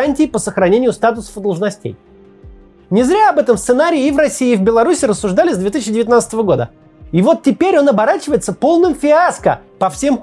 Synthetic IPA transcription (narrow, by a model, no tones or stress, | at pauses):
anʲtʲɪːpəsəxɾɐnʲenʲɪjʊst̪at̪ʊsə̥fd̪əlˠʐnɐsʲtʲḛj | nʲɪzɾʲaɐbɛt̪əmst̪sɨnaɾʲɪɪːvrɐsʲiːvbʲɪlˠɐɾusʲɪɾəsːʊʐd̪alʲɪsʲd̪vʲet̪iɕ̬ːɪdʲɪvʲɪt̪ʲnat̪st̪əvəɡo̞d̪ə̰ | ɪvo̞t̪̚tʲːɪpʲeɾʲo̞nɐbɐɾat͡ɕɪvəjɪt̪səpo̞lˠnɨmfʲɪaskə̰pɐfsʲe̞mp